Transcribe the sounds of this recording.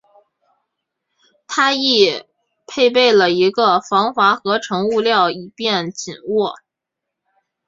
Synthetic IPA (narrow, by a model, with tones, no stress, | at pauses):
t̪ʰa˥i˥˩ | pʰe˥˧ɪp̬e˥˩ɪlə˩i˧˥ɡə˧fɑ˧˥ŋxwa˧˥xɤ˧˥ʈ͡ʂʰɤ˧˥ŋu˥˧ljɑ˥˩ʊi˨˩pjɛ˥˩nt͡ɕi˨˩nwɔ˥˩